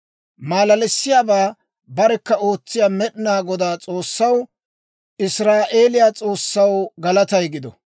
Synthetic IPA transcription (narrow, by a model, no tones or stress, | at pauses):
maːlɐlɛsːɪjaːbaː | bɐɾɛkːɐo̞ːt͡sːɪjaːmɛɗɪnaːɡɔd̪aːt͡sʼo̞ːsːɐw | ʔɪsɾaːʔe̞ːlɪjaːt͡sʼo̞ːsːɐwɡɐlɐt̪ɐjɡɪd̪ɔ